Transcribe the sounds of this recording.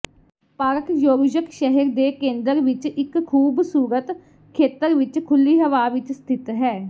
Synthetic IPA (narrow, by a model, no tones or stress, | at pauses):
pəɾkjoːɡd͡ʒəkʃɛɦəɾd̪eːkẽːnd̪əɾʋɪt͡ʃɪkkʰːuːbsuːɾət̪ | kʰeːt̪əɾʋɪt͡ʃkʰʊlːiːɦəʋaːʋɪt͡ʃst̪ʰɪt̪ɦɛː